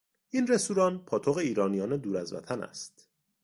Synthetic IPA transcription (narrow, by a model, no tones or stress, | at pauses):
ʔiːnre̞st̪uːɾɒːnpʰɒːt̪ʰoɣeiːɾɒːnijɒːne̞d̪uːɾæzvæ̰t̪ʰænæ̰st̪